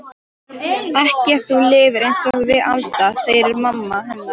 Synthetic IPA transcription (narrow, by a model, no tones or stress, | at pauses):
ɛhcɪɛθulɪːvɪɾejnsɔɣðɪʔa̰lt̪aseːjɾɪɾmamːaɦɛnːḁ